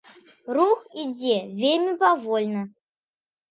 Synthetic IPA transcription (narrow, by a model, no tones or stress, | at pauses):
ruxid͡zʲevʲelʲmʲipavɔlʲnɐ